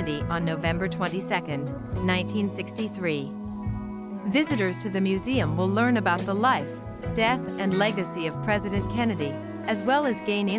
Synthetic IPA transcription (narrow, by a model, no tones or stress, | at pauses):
ɨɾiʔə̃nːoʊvɛ̃mbə˞tʰw̥ɛ̃ntisɛkɨ̃ndnãɪ̃ntʰĩnsɪkstiθɹi | vɪzɨɾə˞z̥tʰɨðɨmjʉziɨ̃mwəlˠɜ̃˞nɨbaʊt̪̚ðəlaɪf | d̥ɛθɨ̃nlɛɡɨsiʌv̥pʰɹ̥ɛzɨɾɨ̃nkʰɛnɨɾi | ɨzwɛlˠɨzɡẽɪ̃nɪ̃